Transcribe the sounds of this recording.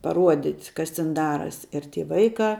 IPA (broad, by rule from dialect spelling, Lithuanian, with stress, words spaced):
pɐˈruɔdʲɪtʲ ˈkɐs tʲɪn ˈdɑːrɐsʲ ɪr ˈtʲiː ˈʋɐɪkɑː